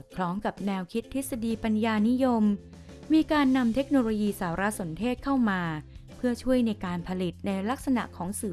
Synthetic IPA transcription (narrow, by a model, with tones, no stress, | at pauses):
ɔ˨˩t̪̚kʰlɔː˦˥ŋka˨˩p̚nɛː˧wkʰi˦˥t̪ʰːi˦˥sa˧diː˧pa˧njaː˧ni˦˥jo˧mː | iː˧kaː˧nːa˧mt̪ʰe˦˥k̚noː˧loː˧jiː˧saː˩˦ɾa˦˥so˩˦nt̪ʰeː˥˩t̪̚kʰa˥˩wmaː˧pʰɯ˥˩ɐt͡ɕʰu˥˩əjna˧jkaː˧npʰa˧li˨˩t̪̚na˧jla˦˥k̚sa˧na̰˨˩ʔkʰɔː˩˦ŋsɯː˨˩